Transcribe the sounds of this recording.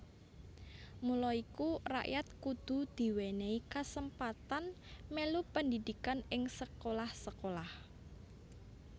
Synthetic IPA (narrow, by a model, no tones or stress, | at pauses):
mulɔikura̰ʔjat̪̚kud̪̥ṳd̪̥i̤weneikasəmpat̪an | melupəndid̪̥i̤kanɪŋsəkolahsəkolah